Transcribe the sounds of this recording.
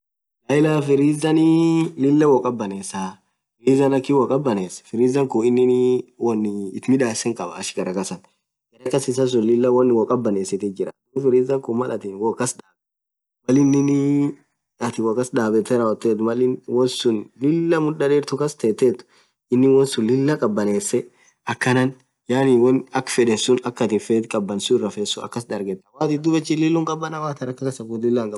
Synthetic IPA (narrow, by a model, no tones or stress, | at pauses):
lɐɪlafɪɾiːzɐnɪlɪlːɐwɔkʼɐbːɐneːsaː | fɪɾiːzɐnɐkːɪwɐkʼɐbɐneːsfɪɾiːzɐŋkʊɪnːɪnwɔnːɪːt̪mɪᶑaːsɛŋkʼɐbɐ̰ːʃɪ̥ɡɐɾɐkɐsɐn | ɡ̥ɐɾɐkɐsɪs̬ɐs̬ʊnlɪlːɐwɐnːɪwɔkʼɐbːɐneːsɪt̪ɛd͡ʒɪɾɐ̰ | fɪɾiːzɐŋkʊmɐlɐt̪ɪnwɔkɐsᶑaːb | mɐlɪnːɪnɪ | ɐt̪ɪwɔkɐsᶑaːbɛt̪ːɛɾɐɔt̪ːeːt̪̬ʊmɐlɪnwɔnsʊnlɪlːɐmʊᶑɐᶑɛːɾt̪ʊkɐst̪eːt̪ːeːt̪ʊ̥ | ɪnːɪwɔnsʊlɪlːɐkʼɐbːɐneːsːɛ | ʔɐkːɐnɐn | jaːnɪwɔnɐkːfɛᶑɛsʊnɐkːɐt̪ɪfeːt̪kʼɐbːɐnsʊɪrːɐfeːsːʊɐ̰kːɐsd̪ɐɾɡɛt̪ːɐwaːt̪ɪd̪ʊbɛt͡ʃːɪlɪlːʊŋkʼɐbːɐnɐwaːt̪ɐɾɐkːɐkɐsɐɡʊlɪlːɐŋkʼɐ